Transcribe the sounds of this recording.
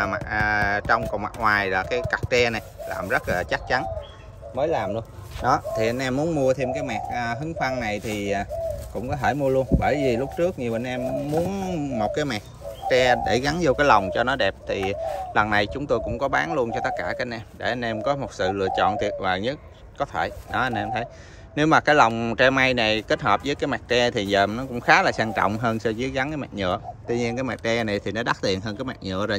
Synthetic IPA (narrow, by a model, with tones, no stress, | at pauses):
mː˨˩˨t͡ɕɔ˧wŋ͡mko̰˧˨wma˨˩ŋwaː˨˩jlaː˨˩kaː˨˦jka˨˩k̚t͡ɕɛ˧na˨˩jla̰ː˨˩mzə˦˥t̚laː˨˩t͡ɕa˦˥k̚t͡ɕa˨˦n | məː˨˦jlaː˨˩mlu˧ən | ɗɔ˨˦t̪ʰi˨˩ʔa˧nʔɛ˧mːu˨˦ənmu˧ət̪ʰi˧mkaː˨˦jmɛ˨˩k̚ʔəː˨˩ɦɨ˨˦ŋfa˧ŋna˨˩jt̪ʰiː˨˩˨kʊ̰˧˥ŋ͡mkɔ˨˦ɦəː˧˩jmu˧əlu˧ənɓəː˧˩jvi˨˩lʊ˦˥p̚t͡ɕɨ˦˥ək̚ɲi˨˩əɓə˨nʔɛ˧mːu˨˦ənmo˨˩t̚kaː˨˦jmɛ˨˩k̚t͡ɕɛ˧ɗe˧˩ɣa˨˦nzo˧kaː˨˦jla˨˩wŋ͡mt͡ɕɔ˧nɔ˨˦ɗɛ˨˩p̚t̪ʰi˨˩lə˨˩mna˨˩jt͡ɕʊ˨˦ŋ͡mt̪o˧jkʊ̰˧˥ŋ͡mkɔ˨˦ɓaː˨˦nlu˧ənt͡ɕɔ˧t̪ə˦˥t̚kaː˧˩kaː˨˦˥ʔɛ˧mɗe˧˩ʔa˧nʔɛ˧mkɔ˨˦mo˨˩t̚sɨ̰˧˨lɨ̰˧˩ət͡ɕɔ̰˧˨nt̪i˨˩ət̚vaː˨˩ɲə˦˥t̚ | kɔ˨˦t̪ʰe˧˩jnɔ˨˦ʔə˧nʔɛ˧mt̪ʰə˨˦j | ne˨˦wmaː˨˩kaː˦jla˨˩wŋ͡mt͡ɕɛ˧ma˧jna˨˩jke˦˥t̚həː˨˩p̚zəː˨˦jkaː˨˦jmaː˨˩k̚t͡ɕɛ˧t̪ʰi˨˩zəː˨˩mnɔ˨˦kʊ̰˧˥ŋ͡mxaː˨˦laː˨˩saː˧ŋt͡ɕɔ̰˧˨wŋ͡mɦəː˧nsə˧zi˨˦əɣa˨˦nkaː˨˦mɛ̰˨˩ɲə̰˧˨ət̪wi˧ɲi˧ənkaː˨˦jma˨˩k̚t͡ɕɛ˧na˨˩jt̪ʰi˨˩nɔ˨˦ɗa˦˥t̪i˨˩ənɦəː˧nkaː˨˦jmaː˨˩k̚ɲə̰˧˨əzə˨˩